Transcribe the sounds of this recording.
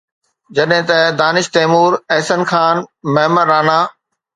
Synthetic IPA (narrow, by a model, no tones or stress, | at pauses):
d͡ʑɐɗɦɪ̃t̪ɐd̪aːnɪʃt̪ɛːmuːɾɛɦsənxaːnmɐɦmənɾaːnaː